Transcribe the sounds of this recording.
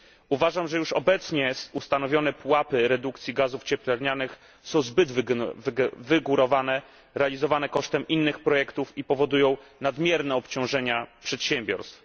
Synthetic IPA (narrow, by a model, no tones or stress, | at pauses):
uvaʐamʐɛjuʂɔ̰bɛt̪sɲɛsust̪anɔvʲjɔnɛpwapɘɾɛd̪ukt̪sʲjiɡazuft͡ɕɛplɛɾɲanɘx | sɔ̃w̃zbɘd̪v | vɘɡuɾɔvanɛ | ɾɛalʲizɔvanɛkɔʂt̪ɛmʔinːɘxpɾɔjɛkt̪ufipɔvɔd̪ujɔ̃w̃nad̪mʲjɛɾnɛɔpt͡ɕɔ̃w̃ʐɛɲapʂɛt̪ɕɛmbʲjɔ̰ɾst̪f